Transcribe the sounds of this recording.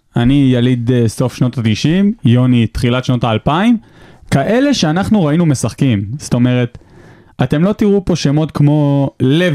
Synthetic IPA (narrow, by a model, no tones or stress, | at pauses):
anijalid̪eso̞fʃno̞tatiʃimjo̞nit̪χilatʃno̞taːlpaim | kaʔe̞le̞ʃeanaχnuʁainume̞saχkimst̪o̞me̞ʁe̞t | ate̞mlo̞t̪iʁupo̞ʃe̞mo̞tkmo̞le